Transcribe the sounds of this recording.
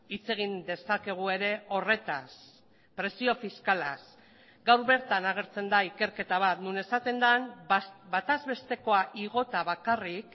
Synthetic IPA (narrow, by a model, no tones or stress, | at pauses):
it͡se̞ɣ̞ind̪e̞sake̞ɣ̞ue̞ɾe̞o̞re̞t̪as | pɾe̞sio̞fiskalas | ɡawɾβe̞ɾt̪anaɣ̞e̞ɾt͡se̞nd̪aike̞ɾke̞t̪aβat̪nune̞sat̪e̞nd̪anbat̪azβe̞st̪e̞ko̞aʔiɣo̞t̪aβakarik